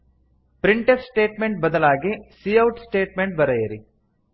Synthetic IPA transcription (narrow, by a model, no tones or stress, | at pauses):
pɾiɳʈefsʈeːʈmeɳʈ̚bɐd̪ɐlaːɡesiːɐwʈsʈeːʈmeɳʈ̚bɐɾɐjɐɾi